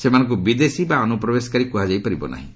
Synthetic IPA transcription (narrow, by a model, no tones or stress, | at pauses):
semanɔ̃ŋk̬ubid̪esibaɔnupɾɔbesɔ̥kaɾikuɦad͡ʒajpaɾibɔ̰na̰ɦḭ̃